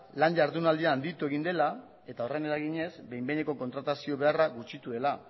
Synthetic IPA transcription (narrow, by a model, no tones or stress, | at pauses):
lanɲɟaɾðunald̪iaːnd̪it̪ue̞ɣind̪e̞la | e̞t̪ao̞re̞ne̞ɾaɣiɲe̞zbe̞jmbejneko̞ko̞nt̪ɾat̪asio̞βe̞araɣut͡ʃit̪uðe̞la